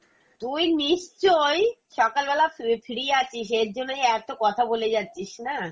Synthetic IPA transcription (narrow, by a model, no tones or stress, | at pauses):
t̪ujniʃt͡ɕojʃɔkalbɛlaffʰiɾiat͡ɕʰiʃeɾd͡ʑonːojɛt̪okɔt̪ʰaboled͡ʑatːɕʰiʃna